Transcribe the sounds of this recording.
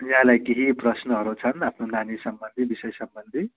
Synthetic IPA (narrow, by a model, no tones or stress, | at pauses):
jɦãlajkeɦiprʌsnʌɦʌɾut͡sʰʌnapʰnonanisʌmbʌnd̪ʱibisʌjsʌmbʌnd̪ʱi